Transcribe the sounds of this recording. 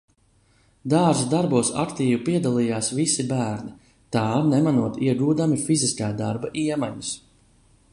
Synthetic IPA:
d̪aːɾsd̪aɾbuɔsa̰kt̪iːvupiɛd̪alˠijaːsvisibæːɾni | t̪aːnɛmanuɔt̪iɛɡuːd̪amifiziskaːd̪aɾbaʔiɛmaɲus

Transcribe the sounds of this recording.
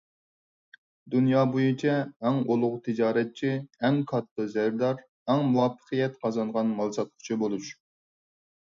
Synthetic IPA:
d̪unjɑːbujit͡ʃʰɛːŋolˠʊʁt̪ʰɨd͡ʒɑːɾɛt̪̚t͡ʃʰiɛŋkʰɑt̪ːɨzæɾd̪ɑɾ | ɛŋmuwɑːpʰːə̥qɨjɛt̪qʰɑzɑɴʁɑnmɑlˠsɑt̪̚qʰʊ̥t͡ʃʰibolˠuʃu̥

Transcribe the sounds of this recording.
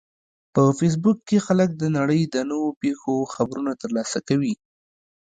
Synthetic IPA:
pəfes̬bukːexalək̚d̪ənaɽəjd̪ənəwopexoxabɾunat̪əɾlɑsakawi

